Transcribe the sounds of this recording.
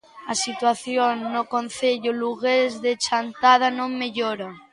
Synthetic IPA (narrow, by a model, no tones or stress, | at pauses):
asit̪waθjonːokon̟θeʎoluɣezðet͡ʃant̪að̞anõŋmeʎoɾa